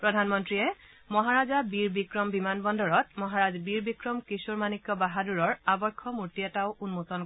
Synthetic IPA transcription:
pɹɔdʱanmɔntɹijɛ | mɔɦaɹazabiɹbikɹɔmbimanbɔndɔɹɔt̚mɔɦaɹazbiɹbikɹɔmkisuɹmanikjɔbaɦaduɹɔɹabɔɹkʰːɔmuɹtiɛtaʊʔunmotɔn

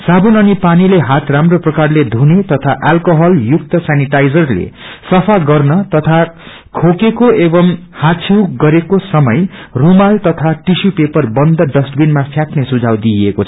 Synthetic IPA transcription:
sabunʌnipanileɦat̪ramroprʌkarled̪ʱunet̪ʌt̪ʰaʔalkoɦʌljuk̚t̪ʌsaniʈajd͡zʌrlḛsʌpʰaɡʌrnʌt̪ʌt̪ʰa | kʰokekoebʌmhat͡sʰiwɡʌɾekosʌmʌjrumalt̪ʌt̪ʰaʈisupepʌrbʌnd̪ʌɖʌsʈbinmapʰjaknesud͡zʱawd̪iekot͡sʰʌ

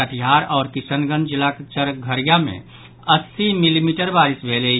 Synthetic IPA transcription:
əʈ̪ʰjɦaːɾɔːɾkɪsənɡə̃nd͡ʒɪlakt͡ʃəɾɡʱəɾjamḛ̃ | əsːimilimiːʈəɾbaːɾɪsbʱeːle

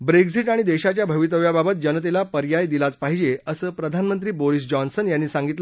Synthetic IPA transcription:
bɾeksiʈaɽ̃id̪eɕat͡ɕjabʱəʋit̪əʋjababət̪̚d͡ʑənət̪elapəɾjajd̪ilat͡spaɦid͡ʑeəsəːpɾəd̪ʱanmənt̪̬ɾiːboɾis̬d͡ʑɔnsənjanːiːsaŋɡit̪l

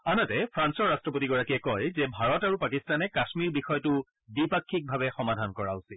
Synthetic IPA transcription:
anatɛpʰɹansɔɹːastɹɔpotiɡɔɹakiɛkɔjzɛbʱaɹɔtaɹupakistanɛkasmiɹbixɔjtʊ | bipakʰːik̚bʱaβɛxɔmadʱankɔɹaʊsi

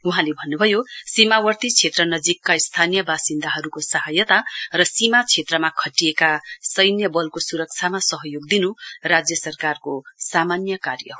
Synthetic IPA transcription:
uɦãlebʱʌnːubʱʌjosimawʌrt̪it͡sʰet̪rʌnʌd͡zikːaist̪ʰanijʌbasind̪aɦʌɾukosʌɦʌjʌt̪arʌsimat͡sʰet̪rʌmakʰʌʈijekasʌjnjʌbʌlkosuɾʌk̚t͡sʰamasʌɦʌjoɡ̚d̪inurad͡zjʌsʌrkarkosamanjʌkarjʌ̰

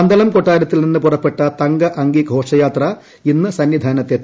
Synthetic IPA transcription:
ɐnd̪ɐlɐmkoʈːaːɾɐt̪ːilninːɨpurɐpːeʈːɐt̪ɐŋɡɐʔɐŋɡiɡʱo̞ːʂɐjaːt̪rɐ | inːɨsɐnːid̪ʱaːnɐt̪ːet̪ː

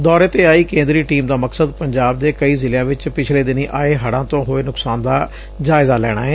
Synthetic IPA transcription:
d̪ɔːɾeːt̪eːaːiːkẽːnd̪ɾiːʈiːmd̪aːməksəd̪pəɲd͡ʒaːb̚d̪eːkəiːzɪlejãːʋɪt͡ʃpɪt͡ʃʰleːd̪ɪniːʔaːeːɦəɽãːt̪õːɦoːeːnʊksaːnd̪aː | d͡ʒaːɪzaːlɛ̰ːɽ̃a̰ːɦɛː

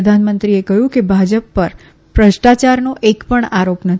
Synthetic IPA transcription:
əd̪ʱanmənt̪ɾiekəɦjũkebʱad͡ʒəpːəɾ | pɾəʃʈat͡ʃaɾnoʔekpəɳaɾopnət̪ʰ

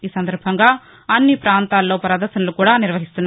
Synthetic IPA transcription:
iːsɐnd̪ɐɾbʱɐŋɡaː | ɐnːipɾaːnt̪aːlːo̞ːpɐɾɐd̪ɐɾʃɐnɐlukuːɽaːniɾʋɐɦist̪unː

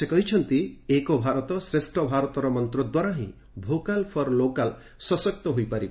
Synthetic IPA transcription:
sekɔɦit͡ʃʰɔnt̪iekɔbʱaɾɔt̪ɔsɾesʈʰɔbʱaɾɔt̪ɔɾɔmɔnt̪ɾɔd̪waɾaɦĩ | bʱokalpʰɔɾlokal | sɔsɔk̚t̪ɔɦujpaɾi

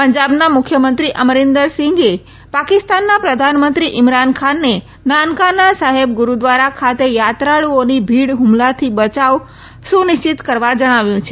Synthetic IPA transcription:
pəɲd͡ʒabnamʊkʰːjəmənt̪ɾiʔəməɾɪnd̪əɾsɪ̃ŋɡe | pakɪst̪anːapɾəd̪ʱanmənt̪ɾiʔɪmɾankʰanːe | nankanasaɦeb̚ɡuɾud̪ʋaɾakʰat̪ejat̪ɾaɭuonibʱiɽɦʊmlat̪ʰibət͡ʃaʋ | sũnɪʃt͡ʃit̪kəɾʋad͡ʒəɽ̃aʋjũt͡ʃʰe

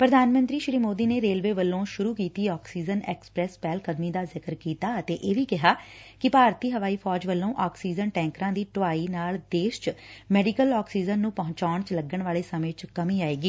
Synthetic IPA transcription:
pɾəd̪ʱaːnmə̃nt̪ɾiːʃɾiːmoːd̪iːneːɾeːlʋeːʋəlːõːʃʊɾuːkiːt̪iːɔːksiːd͡ʒənɛːkspɾɛːspɛːlkəd̪miːd̪aːzɪkəɾkiːt̪aːət̪eːʔeːʋiːkɪɦaːkɪpaːɾt̪iːɦəʋaːiːpʰɔːd͡ʒʋəlːõːʔɔːksiːd͡ʒənʈɛ̃ːŋkɾãːd̪iːʈʊʋaːiːnaːld̪eːʃt͡ʃmɛːɖiːkəlɔːksiːd͡ʒənːũːpəɦʊ̃t͡ʃaːɳt͡ʃləɡːəɳʋaːleːsəmẽːt͡ʃkəmĩːaːeːɡiː

